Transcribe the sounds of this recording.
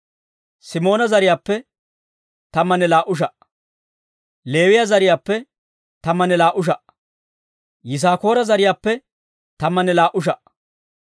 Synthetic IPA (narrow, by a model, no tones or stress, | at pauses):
sɪmo̞ːnɐzɐɾɪjaːpːɛ | t̪ɐmːɐnɛlaːʔʊʃ̬ɐʔ | le̞ːwɪjazɐɾɪjaːpːɛ | t̪ɐmːɐnɛlaːʔʊʃ̬ɐʔ | jɪs̬aːko̞ːɾɐzɐɾɪjaːpːɛ | t̪ɐmːɐnɛlaːʔʊʃ̬ɐʔ